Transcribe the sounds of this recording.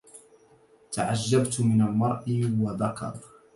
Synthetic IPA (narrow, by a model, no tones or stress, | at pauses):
t̪aʕaʒːabt̪mɪnalmɑɾˤʔɪwaðakɑ̰ɾˤ